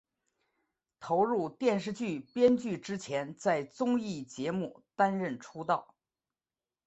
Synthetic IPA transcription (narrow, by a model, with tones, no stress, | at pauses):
t̪ʰo˧˥ʊɻu˥˧t̪jɛ˥˧nʂ̬ɻ̩˥˧t͡ɕy˥˩pjɛ˥nt͡ɕy˥˩ʈ͡ʂɻ̩˥t͡ɕʰjɛ˧˥nt͡sa˥˩ɪt͡sʊ˥ŋi˥˩t͡ɕjɛ˧˥mu˥˩t̪a˥nɻə˥˩nʈ͡ʂʰu˥t̪ɑ˥˩ʊ